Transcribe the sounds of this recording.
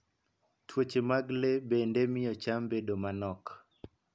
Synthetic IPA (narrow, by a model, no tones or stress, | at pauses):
tʰwot͡ʃemaɡlebendemɪjɔt͡ʃambedomanɔk